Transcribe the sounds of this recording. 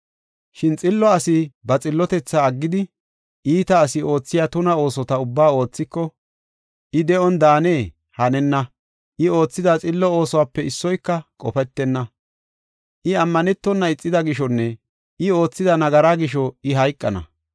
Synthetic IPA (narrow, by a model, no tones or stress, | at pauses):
ʃɪnt͡sʼɪlːɔɐsɪbɐt͡sʼɪlːɔt̪ɛt͡sːaːɡːɪd̪ɪ | ʔiːt̪ɐːsɪo̞ːt͡sːɪjaːt̪ʊnɐo̞ːsɔt̪ɐʊbːaːo̞ːt͡sːɪkːɔ | ʔɪd̪ɛʔɔnd̪aːneː | hɐnɛnːɐ | ʔɪo̞ːt͡sːɪd̪ɐt͡sʼɪlːɔo̞ːsɔwaːpːɛɪsːɔjkːɐkʼɔfɛt̪ːɛnːɐ | ʔɪɐmːɐnɛt̪ːɔnːɐɪt͡sʼːɪd̪ɐɡɪʃɔnːɛ | ʔɪo̞ːt͡sːɪd̪ɐnɐɡɐɾaːɡɪʃ̬ɔɪɦɐjkʼːɐnɐ̰